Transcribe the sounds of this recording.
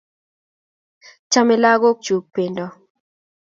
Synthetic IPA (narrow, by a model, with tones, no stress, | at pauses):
t͡ʃa˦mɪ˦la˦ɣo˦k̚t͡ʃu˨k̚pe˨ndɔ˦